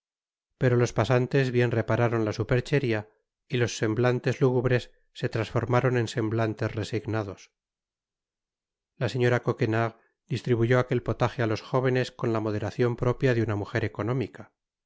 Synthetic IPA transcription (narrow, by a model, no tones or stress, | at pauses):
pe̞ɾo̞lo̞spasant̪e̞zβje̞nre̞paɾaɾo̞nlasupe̞ɾt͡ʃeɾia | ilo̞sːe̞mblant̪e̞zluɣuβɾe̞sː | e̞t̪ɾansfo̞ɾmaɾo̞ne̞nse̞mblant̪e̞sre̞siɣnað̞o̞s | laseɲo̞ɾako̞ke̞naɣ | d̪̥ist̪ɾiβuʝo̞ake̞lpo̞t̪axealo̞sxo̞β̞e̞ne̞sko̞nlamo̞ðe̞ɾaθjo̞mpɾo̞pjaðeunamuxe̞ɾe̞ko̞no̞mika